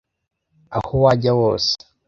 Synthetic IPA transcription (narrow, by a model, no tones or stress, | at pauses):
a̰howaɟawoːse̥